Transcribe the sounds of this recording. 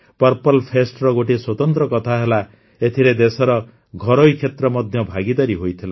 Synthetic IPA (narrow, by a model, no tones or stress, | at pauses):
pʌɾpɔlpʰesʈɾɔɡoʈiswɔt̪ɔnt̪ɾɔkɔt̪ʰaɦela | et̪ʰiɾed̪esɔɾɔ | ɡʱɔɾojkʰet̪ɾɔmɔd̪ʱjʌbʱaɡid̪ɔɾiɦojt̪ʰila